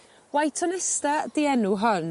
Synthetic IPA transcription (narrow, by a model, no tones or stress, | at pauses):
wajtʰɔnɛstadiɛnuɦɔn